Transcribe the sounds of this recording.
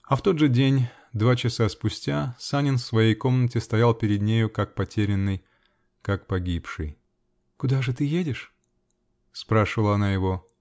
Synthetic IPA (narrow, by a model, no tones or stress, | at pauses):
ɐft̪o̞d̪ʐɨdʲenʲ | d̪vat͡ɕɪsaspʊsʲtʲasanʲɪnfsvɐjejko̞mnətʲɪst̪ɐjalˠpʲɪɾʲɪd̪nʲejʊkak̚pɐtʲeɾʲɪnːɨj | kak̚pɐɡʲipʂɨj | kʊd̪aʐɨt̪ɨjedʲɪʂ | spɾaʂɨvəlˠɐnajɪvo̞